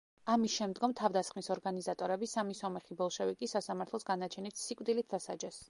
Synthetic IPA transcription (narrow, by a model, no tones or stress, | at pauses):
amisʃɛmd̪ɡɔmt̪ʰavd̪asχmisɔɾɡanizat̪ʼɔɾɛbisamisɔmɛχibɔlˠʃɛvikʼisasamaɾt̪ʰlˠɔsɡanat͡ʃʰɛnit̪sikʼwd̪ilit̪̚ʰd̪asa̰d͡ʒɛs